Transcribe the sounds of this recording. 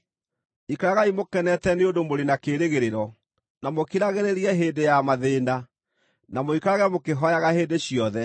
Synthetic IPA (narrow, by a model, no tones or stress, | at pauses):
ikaɾaɣaimokɛnɛtɛneondomoɾenakeːɾeɣeɾeɾɔ | namokiɾaɣeɾeɾiɛɦeːdejamaðeːna | namoikaaɣɛmokeɦɔjaɣaheːndeɕjɔðɛ